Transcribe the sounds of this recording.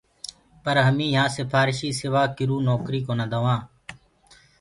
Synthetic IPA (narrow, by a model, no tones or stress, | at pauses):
pəɾɦəmĩːɦãːsɪpʰaːɾɪʃiːsɪʋaːkɪɾuːnoːkɾiːkoːnãːd̪aːʋãː